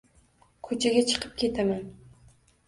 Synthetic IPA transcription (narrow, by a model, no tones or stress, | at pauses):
kʰɵt͡ʃʰaɡʲat͡ʃʰɨ̥qʰɨp̚kʲʰe̞t̪ʰaman